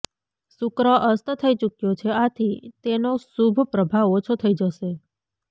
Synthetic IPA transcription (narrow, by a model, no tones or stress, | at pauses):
sukɾəʔəst̪t̪ʰəit͡ʃukjot͡ʃʰeat̪ʰit̪enosubʱpɾəbʱaʋot͡ʃʰot̪ʰəid͡ʒəʃe